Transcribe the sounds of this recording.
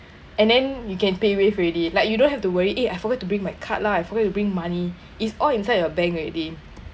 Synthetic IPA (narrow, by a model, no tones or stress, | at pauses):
ɛ̃ndɛ̃njukɛ̃npewefidilaɪk̚judõnhɛftuwəɹiʔeajfɔɡɛt̚ːubɹĩŋmajkʰa̰t̚laajfɔɡɛt̚ːubɹĩŋmani | itsɔlĩnsajdəbɛ̃ŋkɹɛt̚li